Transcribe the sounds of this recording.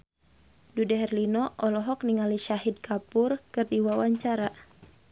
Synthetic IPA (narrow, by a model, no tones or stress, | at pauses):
dudɛɦɛrlinɔʔɔlɔɦɔk̚niŋaliʃaɦid̚kʰapurkɨrdiwawaɲt͡ʃaɾa